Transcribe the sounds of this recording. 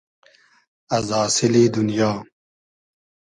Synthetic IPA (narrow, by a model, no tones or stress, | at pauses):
ɐzɑːsɪliːd̪ʊnjaː